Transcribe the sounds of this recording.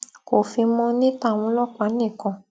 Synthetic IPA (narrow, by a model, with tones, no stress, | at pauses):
ko˨fi˧mɔ̃˧nĩ˦ta˦˨mũ˨˧˦lɔ˦k͡pa˨˦nĩ˦˨kɔ̃˧